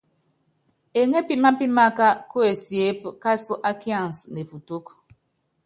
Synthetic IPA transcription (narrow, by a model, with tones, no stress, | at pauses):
e˨ŋe˦pi˦ma˦pi˦ma˦ka˦ko˦e˨sje˦pka˦su˦ʔa˦kjã˦˨n˨sne˨pu˨to˦k